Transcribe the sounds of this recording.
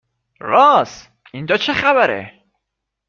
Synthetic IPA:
ɾɒːs | ind͡ʒɒːt͡ʃʰexæbæɾḛ

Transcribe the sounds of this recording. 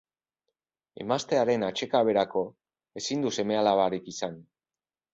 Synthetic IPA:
ḛmast̪e̞aɾe̞nat͡ʃe̞kaβe̞ɾako̞ | e̞sind̪use̞me̞alaβ̞aɾikisan

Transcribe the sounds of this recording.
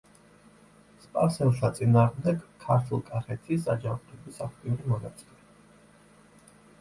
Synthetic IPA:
spʼa̰fsɛnʃat̪sʼinaːʁmd̪ɛɡkʰːaɾt̪ʰulˠkʼaχɛt̪ʰisad͡ʒamqʼibisaχʰt̪ʼinimɔna̰t̪sʼilɛ

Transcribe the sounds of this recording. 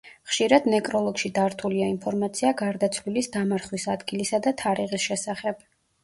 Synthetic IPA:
χʃiɾad̪nɛkʼɾɔlˠɔɡʃid̪aɾt̪ʰuliainpʰɔɾmat̪sʰiaɡaɾd̪at̪sʰlilisd̪amaɾχwisad̪ɡilisad̪at̪ʰaɾiʁisʃɛsaχɛb̥

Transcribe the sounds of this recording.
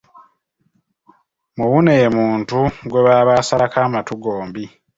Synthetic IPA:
muβunemuːntuɡwe̞βaːβaːsalakaːmatuɡo̞ːmbi

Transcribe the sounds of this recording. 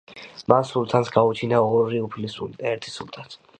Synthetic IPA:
mansulˠt̪ʰansɡaut͡ʃʰinaɔɾiupʰlisulid̪aɛɾt̪ʰi̥sulˠt̪ʰat̪ʰ

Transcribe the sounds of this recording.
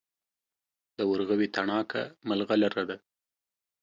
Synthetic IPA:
d̪̥əwaɾɣawit̪aɳɑka̰malɣalaɾad̪a

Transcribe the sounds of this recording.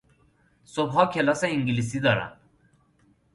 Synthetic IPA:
sobɦɔːkʰelɔsɛiŋɡilis̬id̪ɒːɾa̰n

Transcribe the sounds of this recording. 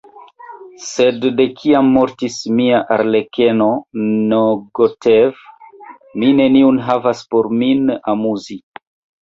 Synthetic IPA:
se̞dːe̞kʰiamːo̞ɾtismiaʔaɾle̞keno̞noɡotev | mine̞niunɦavaspoɾminamuzi

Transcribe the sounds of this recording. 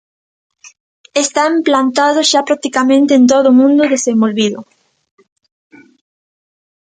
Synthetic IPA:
est̪aemplant̪aðʊʃapɾak̚t̪ikamẽnt̪eːnt̪̬oðʊːmũnd̪ʊðesẽmbolβiðʊ

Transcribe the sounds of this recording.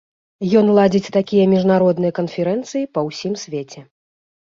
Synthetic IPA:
jɔnlˠad͡zʲit͡sʲt̪akʲijɐmʲiʐnaɾɔd̪nɨjɐkɐnfʲɛɾɛnt̪sɨjipɐwsʲimsʲvʲet͡sʲɛ

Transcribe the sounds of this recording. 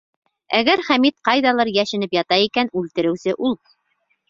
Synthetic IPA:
æɡæɾχæmit̪qɑjðɑlˠɤɾjæʃɘ̆nɘpjɑt̪ɑjikænʉlt̪ɘ̆ɾɘ̆wsɘʔulˠ

